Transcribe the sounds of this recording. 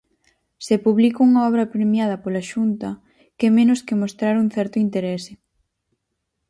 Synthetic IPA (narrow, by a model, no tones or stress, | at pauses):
sepuβlikouŋɐɔβ̞ɾɐpɾemjað̞ɐpolaʃunt̪ɐ | kɛmẽnʊskemost̪ɾaɾuŋ̟θɛɾt̪ʊint̪eɾɛsɪ